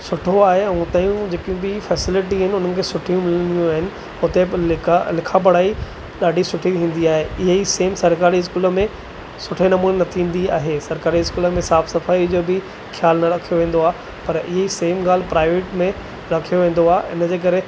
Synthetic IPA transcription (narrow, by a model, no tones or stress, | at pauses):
sʊʈʰoaːɦeɛ̃t̪aːjũd͡ʑeːkĩbɪfɛːsɪlɪʈ̬iɦɪnɪʊn̤ənɪ̆kʰeːsʊʈʰijũmɪlənijũaːɦɪnɪ̆ | ʊt̪eɪlɪkʰap̬ɐɽ̤aːi | ɗaːɖʱisʊʈʰit̪ʰĩːn̆d̪iaːɦeɪɦeiseːmsɐɾkaːɾiɪskuːlə̆mẽ | sʊʈʰenɐmuːnenɐt̪ʰĩːn̆d̪iaːɦesɐɾkaːɾiɪskuːləmẽsaːfsɐfaːid͡ʑoːbɪ | xʰjaːlnɐɾɐkʰijoʋẽːn̆d̪oaːɦe | pɐɾɪɦeiseːmɡaːl̤ɪpɾaːɪʋeːʈmẽ | ɾɐkʰijoʋẽːn̆d̪oaːɦeɪ̰nəd͡ʑeːk̬ɐɾe